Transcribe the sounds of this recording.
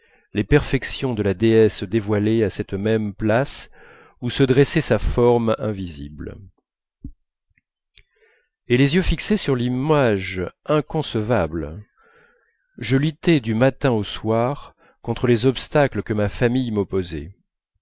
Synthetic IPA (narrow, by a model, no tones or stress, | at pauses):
lepɛʁfɛksjɔ̃d̪əlad̪eɛsəd̪evwaleasɛt̪mɛmplas | usəd̪ʁɛsɛsafɔʁmɛ̰̃vizḭbl | elezjøfiksesyʁlimaʒɛ̃kɔ̃səvabl | ʒəlyt̪ɛd̪ymat̪ɛ̃oswaʁ | kɔ̃t̪χəlezɔpst̪akləkəmafamijmɔpozɛ̰